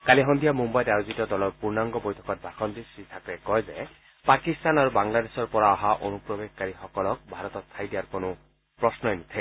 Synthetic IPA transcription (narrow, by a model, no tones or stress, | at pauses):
kaliɦɔnd̪ʱijamumbajdajuzitɔdɔlɔɹpuɹnaŋɡɔbojtʰɔ̥kɔt̚bʱakʰɔnd̪isɹitʰakɹekɔjze | pakist̪anaɹubaŋlad̪esɔɹpɔɹaɔɦaʔonupɹɔbekkaɹixɔkɔlɔk̚bʱaɾɔt̪ɔtt̪ʰajd̪iaɹkonu | pɹɔsnɔjnut̪ʰe